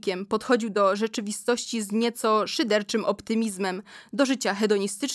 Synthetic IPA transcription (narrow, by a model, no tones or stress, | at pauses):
kʲɛmpɔt̪xɔd͡ʑiwd̪ɔʐɛt͡ʂɘvʲist̪ɔɕt͡ɕizɲɛt̪sɔʂɘd̪ɛɾt͡ʂɘmɔpt̪ɘmʲizmɛmd̪ɔʐɘt͡ɕaxɛd̪ɔɲist̪ɘt͡ʂ